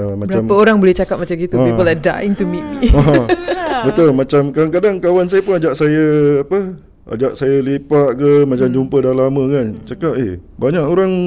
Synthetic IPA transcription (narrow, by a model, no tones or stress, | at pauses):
maampəoɾaŋbolɛht͡ʃakap̚mat͡ʃamɡit̪ubipɔlada̰ɪŋt̪umitaɦabət̪olmat͡ʃamkaaŋkadaŋkawansajəpʊnad͡ʒaʔsajəapə | a̰d͡ʒaʔsajəlipaʔkəmat͡ʃamd͡ʒumpədalamə̃kant͡ʃakap̚ehbaɲaʔoɾaŋ